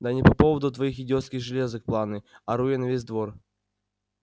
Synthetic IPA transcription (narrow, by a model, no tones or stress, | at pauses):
d̪anʲɪpɐpovəd̪ʊt̪vɐixjɪdʲot̪skʲɪxʐɨlʲezɨk̚plˠanɨɐɾujɛnɐvʲezʲd̪vor